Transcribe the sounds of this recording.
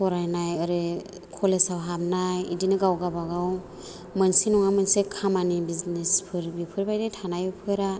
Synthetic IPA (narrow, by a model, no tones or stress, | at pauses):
pʰɔɾajnajɯɾɯ | kʰɔlesawɦamnajḭdinɯɡawɡabaɡaw | mɯnsinɔŋamɯnsekʰamanibiznespʰɯɾbipʰɯɾbajdajtʰanajipʰɯjɾa